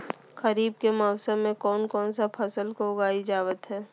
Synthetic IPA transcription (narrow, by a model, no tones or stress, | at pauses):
kəɾiːbkemɔːʊsəmːẽkɔːnkɔːnsapʰɐsəlkoʊɡaːid͡ʒaːʋət̪ɦɛː